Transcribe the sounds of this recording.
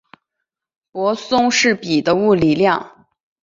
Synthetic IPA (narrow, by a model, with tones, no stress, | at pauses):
pwɔ˧˥sʊ˥ŋʂɻ̩˥˩pi˨˩d̪ə˦u˥˩li˨˩ljɑ˥˩ŋ